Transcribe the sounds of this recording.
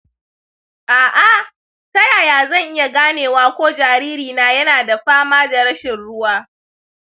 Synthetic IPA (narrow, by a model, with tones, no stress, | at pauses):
ʔaː˨ʔa˦˨ | tɐ˦jaː˨jaː˨zɐ˦˨ŋʔɪ˦ja˨ɡaː˦neː˨waː˦kʷoː˦d͡ʒaː˨ɾiː˦ɾiː˨naː˦jɐ˦naː˨da˨ɸaː˦maː˦da˨ɽɐ˦ʃɪ˨nɽʊ˦waː˦